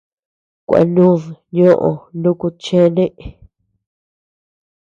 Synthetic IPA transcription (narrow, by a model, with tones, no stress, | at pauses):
kʷa̰˧nũ˦ðɲõ˦ʔõ˨nũ˦ku˧t͡ʃẽ˦nẽ˦ʔe˨